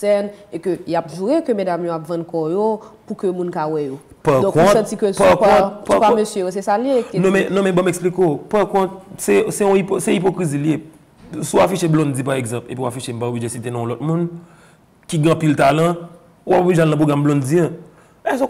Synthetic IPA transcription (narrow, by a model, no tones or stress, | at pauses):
ɛnekøjapʒuɣekømedamjoapvɐ̃nkɔjopukømũnkawɛjo | padɔ̃kɔ̃tsɐ̃t͡sikøpakɔ̃tpaamøsjøjos̬esaljenɔ̃mɛ̃nɔ̃mɛ̃bãmɛksplikopakɔ̃t̪̚sɛsɛɔ̃iposɛip̬okʁizilje | suafiʃeblɔ̃nd͡zipaɣeɡzɐ̃pḛpiwafiʃem̩paobliʒesit̪enõlɔt̪̚mũn | kiɡẽɐ̃pilt̪alɐ̃ | uapobliʒealnɐ̃p̬ʁoɡʁamblɔ̃nd͡ziɐ̃ | ɛso